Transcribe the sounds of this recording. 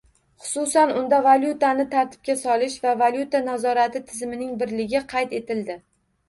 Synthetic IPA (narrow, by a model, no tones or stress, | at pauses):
χʊ̥sʊsanʊnd̪avalʲjʊt̪anɪt̪ʰaɾt̪ʰɪ̥p̚kʲasɒlɪʃvavalʲjut̪anazɒɾat̪ʰɪt̪ʰɪzmɪnɪŋbɪɾlɪɡʲɪqʰɑjt̪e̞t̪ɪld̪ɪ